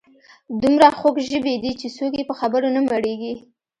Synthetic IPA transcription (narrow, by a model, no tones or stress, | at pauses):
d̪umɾaxokʒəbed̪it͡ʃesokjepəxabəɾonamaɽeɡi